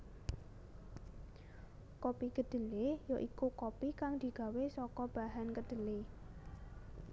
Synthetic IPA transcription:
kopiɡ̥əd̪̥ə̤lejoʔikukopikaŋd̪̥i̤ɡ̥a̤wesɔkɔb̥a̤ɦankəd̪̥ə̤le

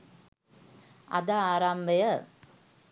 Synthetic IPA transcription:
ɐ̰d̪aaːɾambɐjɐ

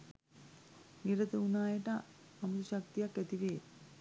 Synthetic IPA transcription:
niɾət̪əunaːjəʈə | amut̪uʃak̚t̪ijakːæt̪iʋeː

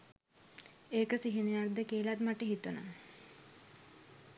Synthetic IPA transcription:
eːkəsiɦinujak̚d̪əkeːlat̪maʈəɦit̪una̰

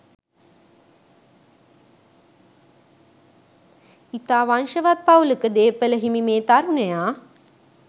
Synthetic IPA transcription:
it̪aːʋanʃəʋat̪̚pawləkəd̪eːpələɦimimeːt̪aɾunejaː

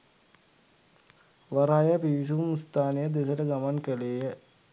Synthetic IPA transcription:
ʋaɾaːjəpiʋis̬umst̪aːnejəd̪esələɡamankəleːjə

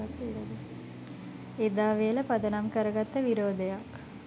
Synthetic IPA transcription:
ɐt̪ːiɽɐd̪i | ed̪aːʋejəlɐpɐd̪ɐnamkəɾɐɡat̪ːəʋiɾoːd̪ɐjak

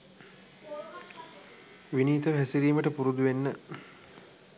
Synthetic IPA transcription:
ʋiniːt̪əɦæsiɾiːməʈəpuɾud̪uʋenːə

